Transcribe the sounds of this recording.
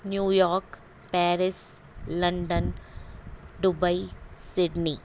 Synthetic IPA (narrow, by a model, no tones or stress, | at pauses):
njuːjɔːɾk | pɛːɾɪs | lɐɳɖən | ɖʊbɐisɪɖniː